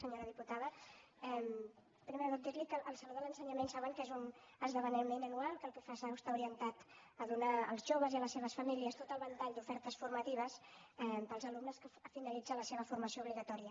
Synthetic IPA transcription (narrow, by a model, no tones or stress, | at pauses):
səɲoɾəðiput̪aðə | ɛm | pɾimeɾəðot̪̚d̪iɾlikəʔːlˠsəloðələnsəɲəmensaβəŋkezunəzðəβənɛmenənualˠkəlˠpɾufesaust̪auɾiənt̪at̪əðunaəlˠzʒoβ̞əziələsːeβ̞əsfəmiliəst̪ot̪əlˠβənt̪aʎd̪ufɛɾt̪əsfurmət̪iβ̞əsɛpəlˠzəlumnəskəfinəlid͡zələseβ̞əfuɾməsiouβliɣət̪ɔɾiə